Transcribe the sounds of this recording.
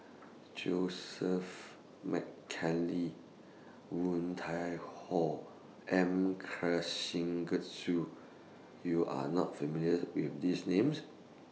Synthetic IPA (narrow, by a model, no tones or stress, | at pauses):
d͡ʒosəf | mɛ̰kʰɛli | wũntʰajhɔ | ʔɛ̃mkʰɹaʃĩŋɡət̚su | juʔa̰nɔ̰tfəmiljəwifdisnẽms